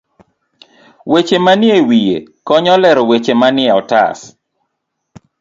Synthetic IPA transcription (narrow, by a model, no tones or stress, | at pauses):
wet͡ʃemanɪewijḛkɔɲɔlɛɾɔwet͡ʃemanɪɛɔta̰s